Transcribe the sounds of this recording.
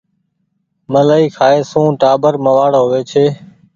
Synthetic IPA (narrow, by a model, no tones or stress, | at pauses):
mələːiːkʰaːeːsũːʈaːbəɾməʋaːɽɦoːʋeːt͡ʃʰeː